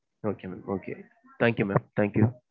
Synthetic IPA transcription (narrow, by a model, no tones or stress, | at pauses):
okʰemɛmokʰḛ | t̪ʰæ̃ŋkjumɛmt̪ʰæ̃ŋkju